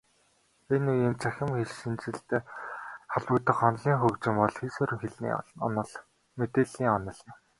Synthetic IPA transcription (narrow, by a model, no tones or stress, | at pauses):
enujiːnt͡sʰæxʲɪ̆mxeɮʃĭnt͡sɘ̆ɬt̪eːχaɮwʊːt̪ə̆χɔnɮiːŋxɵkt͡ɕɪ̆mɔɮxiːsɵːɾɘ̆ŋxeɮnḭːnə̆ɮ | met̪eːɮiːŋɔnə̆ɮjɪ̆m